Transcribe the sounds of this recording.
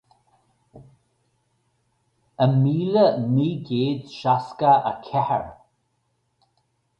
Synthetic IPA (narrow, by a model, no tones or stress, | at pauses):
əmiːləmiːɡeːd̪ʃaskəəkʰɛhə̰ɹ